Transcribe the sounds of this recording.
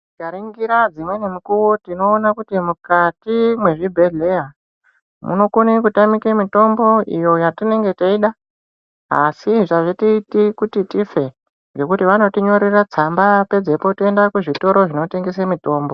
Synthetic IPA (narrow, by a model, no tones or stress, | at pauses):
ɡʱaɾiŋɡiɾad͡zimwe̞nemikuwotino̞ːnakutimukatimwe̞ʐibʱe̞ɮe̞ja | mṵno̞kunekutamikemito̞mbo̞ḭjo̞jatine̞ŋɡe̞taiɗa | a̰siʐaʐetiitikutitife̞ | ŋɡo̞kutiʋano̞tiɲo̞ɾirat͡sambape̞d͡ze̞po̞tendakuʐito̞ɾo̞ʐino̞te̞ŋɡes̬emito̞ːmbo